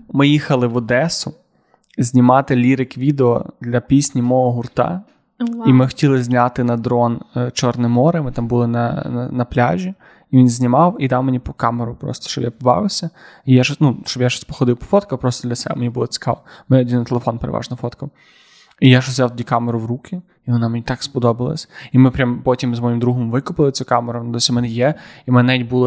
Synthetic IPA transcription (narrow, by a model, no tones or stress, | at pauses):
mɪjixɐlˠɪʋɔd̪ɛsʊ | zʲnʲimɑt̪ɪlʲiɾɪkʋʲid̪eɔ̰d̪lʲɐpʲisʲnʲimɔɦɔɦʊrt̪ɑ̰ | imɪxɔ̥tʲilˠɪzʲnʲat̪ɪnɐd̪ɾɔnt͡ʃɔrnɛmɔɾɪmɪt̪ambulˠɪnɐɐnɐplʲa̰ʒʲi | iʋʲinzʲnʲimɑwid̪ɑwmenʲipɔkɑmeɾʊpɾɔ̰st̪ɔʃt͡ʃɔbjapɔbɑ̰ʋɪwsʲɐ | ijaʒɔnuʃt͡ʃɔbjaʃɔsʲpɔ̥xɔd̪ɪwpɔ̥fɔt̪kɐpɾɔst̪ɔd̪lʲɐsɛbɛ̰menʲibʊlˠɔsɪ̥kɑ̰lˠmɛnɛɔdʲint̪elˠefɔnpeɾḛʋʔɑ̰ʒnɔfɔt̪kɐw | ijaʃʒɔzjawt̪ɔdʲikameɾʊwɾukʰʲɪ | iʋɔnamenʲit̪ɑkspɔd̪ɔbɪlˠɐ̰sʲimɪpɾʲampɔtʲimzmɔjimd̪ɾuɦɔmʋɪkʊpɪlˠɪt͡sʲukɑmeɾʊnd̪ɔsʲimɛnɛjɛimnɛnɛaʋʲitʲbulˠɪ